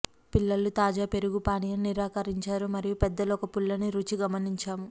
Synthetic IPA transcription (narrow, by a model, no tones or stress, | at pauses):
pilːɐlːut̪aːd͡ʒaːpe̞ɾuɡupaːnijɐniɾaːkɐɾiɲt͡ʃaːɾumɐɾijupɛd̪ːɐlɔkɐpulːɐniɾut͡ʃiɡɐmɐniɲt͡ʃaːmu